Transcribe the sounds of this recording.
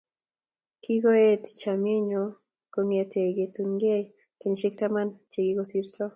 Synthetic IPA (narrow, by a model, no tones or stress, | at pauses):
kiɡoett͡ʃamiɲo | koŋetʰeɡetunɡe | keɲʃik̚tamant͡ʃeɡiɡosiɾtɔ